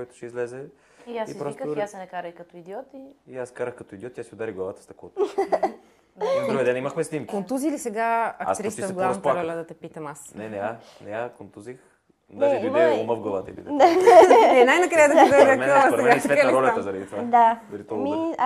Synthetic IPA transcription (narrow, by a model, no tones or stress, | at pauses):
kɔɛt̪ʊ̥ʃɛizlɛzɛ | iasipɾɔsstkasɛnɛkaɾɐikɐt̪oid̪iɔt̪iiaskaɾəxkɐt̪oid̪iɔt̪ːʲjasʲiʊd̪aɾiɡlˠɐvat̪ɐ̥st̪ɐkɔt̪ | p̪ɾovɛd̪ɛnimaxmɛsnimkont̪uzilisɛɡaɐk̪t̪ɾistiəɡlˠavsaɾɔlʲəd̪ɐt̪ɛpit̪ɐmasnɛnɛa | nɛakont̪uzix | d̪aɛɛviɛoməvɡlˠɐlˠa̰t̪ibḭaɛnajnɐkɾajəd̪ɐd̪ɐmɛəast̪ɐmɡasvɛt̪ɾɔlʲət̪əzɐɾɐd̪it̪vad̪ad̪ɐɾit̪ɔmi